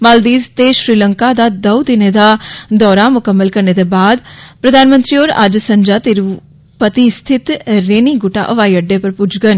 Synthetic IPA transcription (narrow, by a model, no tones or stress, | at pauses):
maːld̪iːzt̪eʃɾiːləŋkaːd̪aːd̪əud̪ɪned̪aːd̪ɔːɾaːmʊkəmːəlkəɾneːd̪eːbaːd̪pɾəd̪aːnmə̃nt̪ɾiːoːɾa̰d͡ʒsəɲd͡ʒaːt̪eɾ | pət̪ist̪ʰɪt̪ɾeːniːɡʊʈa̰ʔəʋaːiəɖːeːpəɾpʊd͡ʒɡən